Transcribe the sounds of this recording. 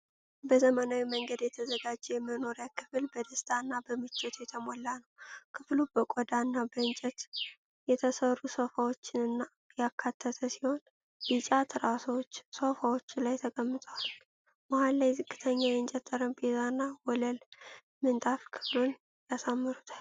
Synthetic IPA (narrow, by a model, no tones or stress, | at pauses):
bəzəmənawiməŋɡəd̪jɛt̪ʰəzəɡad͡ʒːɛjɛmːəno̞ɾjakʰɨ̥fɨlbəd̪əst̪ʰʼaɨnːabəmɨt͡ʃʼːɛt̪ʰjɛt̪ʰəmolːanəwkʰɨflub̥əkʼɔd̪aɨnːabəɨnt͡ʃʼɛt̪ | jɛt̪ʰəsərːusofawot͡ʃːɪnɨnːa | jakʰːat̪ʰːət̪ʰəsiho̞n | jɨt͡ʃʼat̪ʰɾasot͡ʃːsofawo̞t͡ʃːlajt̪ʰəkʼəmːɨt̪ʼəwal | mahalːajzɨkʼːɨt̪ʰəɲːajɛɨnt͡ʃʼɛt̪ʰʼːəɾənbezanːawɔləl | mɨnt̪ʼafkʰɨ̥flun | jasamːɨɾut̪ʰḁl